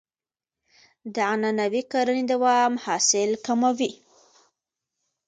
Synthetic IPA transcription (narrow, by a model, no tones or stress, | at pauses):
d̪əananawikaɾəned̪awɑmhɑsɪlkamawi